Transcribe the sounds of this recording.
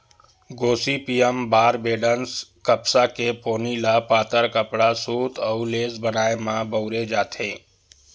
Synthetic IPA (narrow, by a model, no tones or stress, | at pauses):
ɡoːsipiːjəmbaːɾbeːɖənskəpsakepoːnilapaːt̪əɾkəpɽasuːt̪ʰɔuleːzbənaːemãbəʊɾed͡ʒaːt̪ʰẽː